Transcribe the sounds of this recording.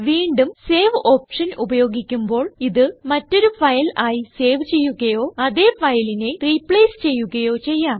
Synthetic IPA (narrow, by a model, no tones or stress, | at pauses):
ʋiːɳɖumse̞ːʋo̞ːpʂɐnʔubɐjo̞ːɡikʲːumbo̞ːɭiðɨmɐtːo̞ɾufɐjɐlaːjise̞ːʋt͡ɕe̞jːuɣɐjo̞ːɐðe̞ːfɐjline̞riːpɭeːst͡ɕe̞jːuɣɐjo̞ːt͡ɕe̞jːaːm